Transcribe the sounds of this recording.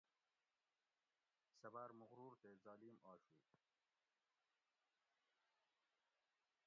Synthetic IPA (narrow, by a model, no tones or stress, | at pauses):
sɐbaːɾmʊɣɾuːɾt̪eːzaːliːmaːɕuː